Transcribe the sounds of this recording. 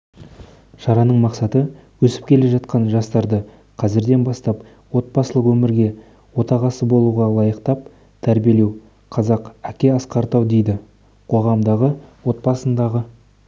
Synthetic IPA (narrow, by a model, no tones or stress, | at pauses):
ʃɑɾɑnəɴmɑqsɑt̪əwɵsɪ̥p̚kʲʰe̞le̞ʒɑt̪̚qɑnʒɑst̪ɑɾd̪ə | qʰɑzɪɾd̪e̞nbɑst̪ɑp | wo̞t̪̚bɑsəlˠəqwɵmɪɾɡʲe̞ | wo̞t̪ɑʁɑsəbo̞lˠuʁɑlˠɑjəqt̪ɑp̚ | t̪ʰæɾbije̞le̞w | qʰɑzɑqækʲe̞ɑsqɑɾt̪ɑwd̪e̞jd̪ɪ | qʰo̞ʁɑmd̪ɑʁəwo̞t̪̚bɑsənd̪ɑʁə